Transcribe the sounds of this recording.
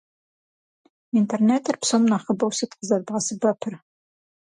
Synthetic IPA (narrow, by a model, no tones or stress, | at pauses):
intʰerneːtʰɨrpsomnaːχəbɐwsɨt̪qəzɐrbʁɐsɨbɐpʰɨr